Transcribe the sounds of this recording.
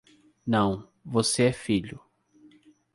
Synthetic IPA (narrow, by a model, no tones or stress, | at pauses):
nɐ̃w̃ | voseɛfiʎʊ